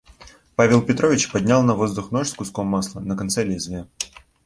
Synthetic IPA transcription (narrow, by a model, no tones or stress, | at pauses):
pavʲɪlˠpʲɪt̪ɾovʲɪt͡ɕpɐdʲnʲalˠnɐvo̞zd̪ʊxnoʂskʊskomːaslˠənəkɐnt̪sɛlʲezvʲe